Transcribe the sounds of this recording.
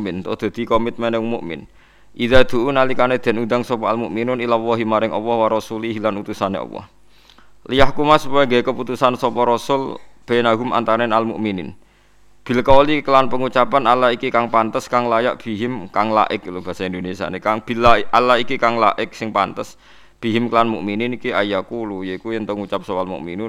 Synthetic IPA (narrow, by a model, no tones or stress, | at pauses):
mɪnt̪ɔ̰d̪̥a̤d̪̥i̤kɔmɪt̪̚mɛnɛŋmuʔmɪ̰n | ʔiðad̪̥ṳʔunalikaned̪̥ɛ̤nund̪aŋsɔpɔalmuʔminʊnilawɔɦimaɾɪŋʔɔ̰wɔhwaɾɔsuliɦilanut̪usanḛɔ̰wɔ̰h | lijahkumasupajaŋɡɛkəput̪usansɔpɔɾɔsʊlb̥enaɦʊma̰nt̪aɾɛnalmṵʔminɪ̰n | b̥i̤lkɔlikəlanpəŋut͡ʃapanalaikikaŋpant̪əskaŋlajaʔb̥i̤ɦɪmkaŋla̰ʔɪk̚lub̥a̤saind̪onesia̰nekaŋb̥ilaʔalaɦikikaŋla̰ʔɪk̚sɪŋpa̰nt̪əs | b̥i̤ɦɪmkəlanmṵʔminɪnikiajakulujeikujɛnt̪ɔŋut͡ʃap̚sɔwalmṵʔminʊn